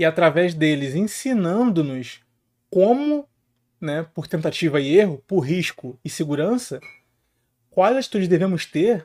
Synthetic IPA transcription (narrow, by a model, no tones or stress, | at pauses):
ɪat̪ɾavɛzd̪elɪzẽsinɐ̃nd̪ʊnʊs | kõmʊ | nɛpʊɾt̪ẽnt̪at͡ʃivɐɪeɦʊpʊɾɦiʃkʊɪseɡuɾɐ̃sɐ | kwajzat͡ʃi̥t̪ud͡ʒɪzd̪evẽmʊst̪eɾ